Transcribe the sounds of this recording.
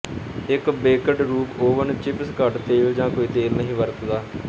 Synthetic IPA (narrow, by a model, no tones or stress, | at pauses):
ɪkbeːkəʈɾuːpoːʋənt͡ʃɪpskəʈt̪eːld͡ʒãːkoːiːt̪eːlnəɦĩːʋəɾt̪d̪aː